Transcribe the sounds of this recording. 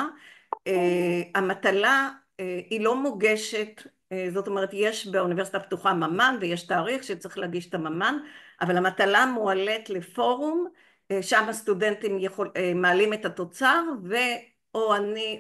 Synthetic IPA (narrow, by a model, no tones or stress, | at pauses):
eamatala | ilo̞moɡe̞ʃe̞t | zo̞to̞me̞ʁ̞etje̞ʃbeunive̞sit̪aptuχamamanvejeʃtaːʁiχʃet͡siχleaɡiʃetamamanʔavalamatalamuale̞tle̞fo̞ʁum | ʃamast̪ude̞ntimjeχomaːlime̞tato̞t͡saʁve̞ | oani